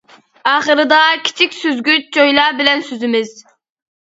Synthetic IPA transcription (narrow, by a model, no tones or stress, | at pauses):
ɑːχəɾɨd̪ɑkʲʰi̥t͡ʃʰikʲsøzɡʲyt͡ʃ̚d͡ʒojlˠɑːbɪlɛnsøzɪmɪz̥